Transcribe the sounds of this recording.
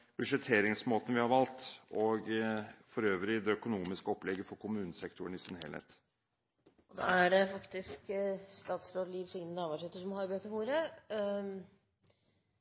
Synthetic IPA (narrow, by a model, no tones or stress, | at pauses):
b̥ʉʂɛt̪ʰːeːɾɪŋsmoːt̪ən̩ʋɪhɑɾʋɑlt̪ɔɡfɔɾøːʋɾɪd̪ɛœkʊnuːmɪskəɔplɛɡːəfɔɾkʰʊmʉːnəsɛkt̪ʊɳɪsɪnhḛːlhḛːt̪ | ɔd̪ɑ̰æɖɛfɑkt̪ɪskst̪ɑːt̪sɾoːd̪əliːʋsʏŋnənɑːʋɑːʂœːt̪ːəʂɔmhɑɾbøːt̪ʰəhuːɾə